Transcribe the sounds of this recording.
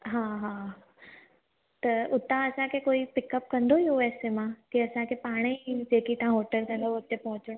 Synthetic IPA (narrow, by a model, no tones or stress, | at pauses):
ɦãːɦã | t̪ɐʊt̪ãɐsãkʰekoːipɪkəp̚kɐ̃nd̪ʱoioɛːsemãkiɐsãkʰepaːɽ̃ed͡ʑeːkit̪ɐɦãɦoːʈəlkɐ̃nd̪ʱoɐt̪epɐɦʊ̃t͡ɕɪɽ̃